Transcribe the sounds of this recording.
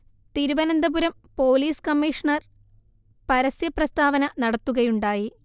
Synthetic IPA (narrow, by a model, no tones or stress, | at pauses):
t̪iɾuʋɐnɐnd̪ɐbuɾɐm | po̞ːliːskɐmːiːʂɐɳɐr | pɐɾɐsjɐprɐst̪aːʋɐnɐnɐɽɐt̪ːuɣɐjuɳɖaːji